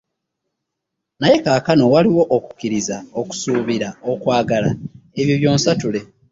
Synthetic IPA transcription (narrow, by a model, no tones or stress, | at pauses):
naje̞kaːkano̞waliwo̞ʔoku̥kiɾizaoku̥suːβiɾaokwaːɡalae̞βjoβjo̞ːnsatule̞